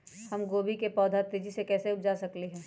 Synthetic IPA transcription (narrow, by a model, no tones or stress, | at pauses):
hɐmɡoːbikepɔːd̪ʱat̪ɾid͡ʒisekɛːseʊp̚d͡ʒasɐkliɦɛ̃ː